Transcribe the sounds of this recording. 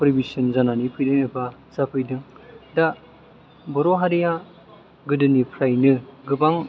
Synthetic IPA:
pɾibisɯnzananipʰɯjdɯŋɯbazapʰɯjdɯŋda | bɯɾoɦaɾija | ɡɯdɯnipʰɾajnɯɡɯbaŋ

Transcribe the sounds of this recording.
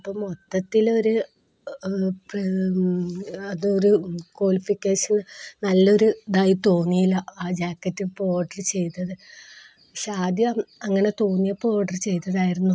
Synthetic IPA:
ɐpːoːmot̪ːɐt̪ːilo̞ɾu | p | ɐðɨoɾukwoːɭifikʲːeːʂɐnnɐlːɐo̞ɾud̪aːjit̪o̞ːnijilːɐaːd͡ʑaːkːɐtːipo̞ːɖɐrt͡ɕe̞jt̪ːɐðɨ | ɕaːd̪jɐɐŋːɐne̞t̪oːnːijɐpo̞ːɖɐrɨt͡ɕe̞jt̪ːɐðaːjiɾunːu

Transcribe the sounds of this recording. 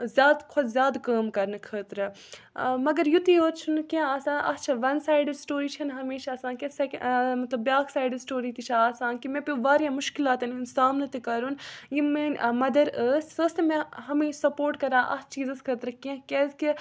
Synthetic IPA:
zjaːd̪kʰʊd̪zjaːd̪kəːmkɐɾnɨkʰəːt̪ɾɨ | mɐɡɐɾjut̪iɦoːt̪t͡ʃʰunkẽaːsãːnʔɐ̰st͡ʃʰɐʋɐnsaːjɖəsʈoːɾiːt͡ʃʰɐnɦɐmiːʃaɐːsãːnkisɛkmɐt̪ləbjaːksaːjɖsʈoːɾiːt̪it͡ʃʰaaːsãːnkimẽpjuʋaːɾjãːmʊʃkilaːt̪ɐnunsaːmnɐt̪ikɐɾunjimẽːnmɐd̪ɐɾəːsʲsəːst̪mẽɦɐmiːʃsɐpoːɾʈkɐɾãːʔɐ̰st͡ʃʰiːzɐskʰəːt̪ɾɨkẽkeski

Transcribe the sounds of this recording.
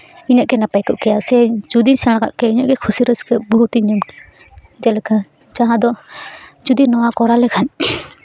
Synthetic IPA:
iɲəʔkɛnapajkɔʔkɛjasɛd͡ʒud̪isɛɽ̃aka̰ʔkɛiɲaʔkɛkʰusiɾəskəbɔɦut̪iɲumkɛ̥ | d͡ʒɛlɛkʰa | d͡ʒaɦãd̪ɔ | d͡ʒud̪inɔwakɔɾalɛkʰan

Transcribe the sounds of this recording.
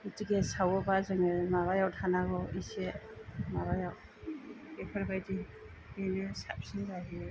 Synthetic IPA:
itiɡesawɔbazɯŋemaβajawtʰanaɡɔisemaβajaw | epʰaɾbajdi | benɯsap̚sindaɦi

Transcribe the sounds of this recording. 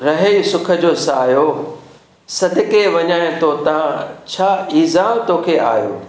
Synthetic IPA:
ɾɐɦeisʊkʰə̆d͡ʑoːsaːjo | sɐd̪ʱɪkeʋɐɲaːɪ̃ɪ̃t̪ot̪ɐãt͡ɕʰaːiːzaːmt̪oːkʰea̰ːjo̰ː

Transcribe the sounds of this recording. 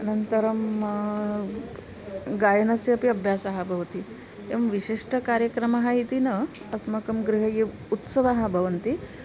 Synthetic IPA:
ɐnɐnt̪ɐɾɐm | ɡajɐnɐsjɐɐpiɐbʱjasaɦabʱɐʋt̪i | eʋɐmʋiɕiʂʈəkaɾjəkɾɐmaɦajit̪inɐ | ɐsmɐkɐmɡɾiɦɐje | ut̪sɐʋaɦabʱɐʋɐnt̪i

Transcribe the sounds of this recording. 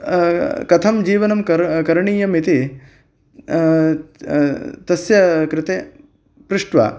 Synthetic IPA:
kɐt̪ʰɐmd͡ʒiːʋɐnɐmkɐɾkɐɾɳiːjɐmit̪i | t̪ɐsjɐkɾɪt̪e | pɾuʂʈʋɐ̰ː

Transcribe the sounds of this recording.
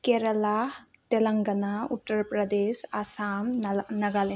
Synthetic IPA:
keːɾɐlaː | t̪elɐŋɡɐnaːuʈːɐɾpɾɐd̪eːʃasaːmnɐɡɐle

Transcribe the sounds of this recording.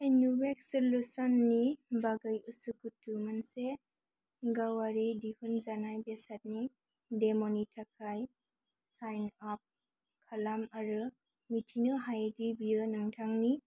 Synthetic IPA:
ejnubek̚sɔlusɔnːibaɡɯjɯsukutːumanse | ɡawaɾidihunzanajbesat̚ni | demonitʰakʰaj | sajnap̚ | kʰalamaɾɯ | mitʰinɯɦajdibijənɯŋtʰaŋni

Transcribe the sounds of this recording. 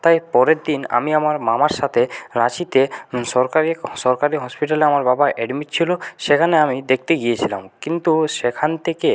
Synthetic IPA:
t̪ajpɔɾeɾd̪ina̰miamaɾmamaɾʃat̪ʰeɾat͡ɕit̪eʃɔɾkaɾiʃɔɾkaɾiɦɔspiʈaleamaɾbabaʔɛɖmiʈ̚t͡ɕʰiloʃekʰaneamid̪ek̚t̪eɡijet͡ɕʰila̰mkint̪uʃekʰant̪ʰeke

